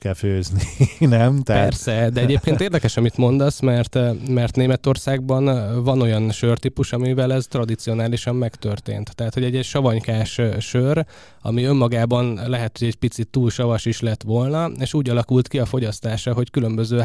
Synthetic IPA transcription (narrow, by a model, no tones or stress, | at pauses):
kɛføːzninɛmt̪ɛpɛrsɛd̪ɛɛɟeːp̚keːnt̪eːrd̪ɛkɛʃɒmit̪mo̞nd̪ɒsmɛrt̪mɛrt̪neːmɛt̪o̞rsaːɡ̚bɒnvɒno̞jɒnʃørt̪ipuʃɒmivɛlɛzt̪rɒd̪it̪sio̞naːliʃɒmːɛkt̪ø̞rt̪ḛːnt̪ːɛɦat̪ho̞ɟɛɟːɛɟʃɒvɒɲkaːʃʃør | ɒ̰miø̞mːɒɡaːbɒnlɛɦɛt̪hoɟɛɟpit̪sit̪ːuːlʃɒvɒʃiʃlɛt̪ʋo̞lnɒeːʃuːɟɒlɒkult̪kiɒfo̞ɟɒst̪aːʃɒɦo̞ckylø̞mbø̞zøː